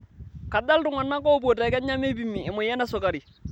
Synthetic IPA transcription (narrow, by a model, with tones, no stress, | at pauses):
ka˨da˦ltʊ˦ŋa˨nːa˦kɔ˦˨b̬o˨tɛ˨kɛ˦ɲa˦me˦bi˦mːi˨ɪ˨mʊ˨jɛ˦na˦sʊ˨ka˨ɾi˨